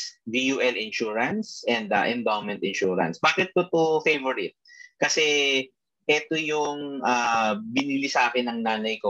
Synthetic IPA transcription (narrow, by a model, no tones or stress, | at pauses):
vijuːʔɛlɪnʃuːɹɐnsʔɛnd̪ɐʔɛ̃nd̪awmɛnt̪ɪnʃuːɾɐ̰nsbaːkɪt̪̚kot̪ofejvɛɹɪt̪̚kɐsɛ | ʔɛt̪ojʊŋʔaːbɪnilɪsɐʔaːkɪnːɐŋnaːnɐjko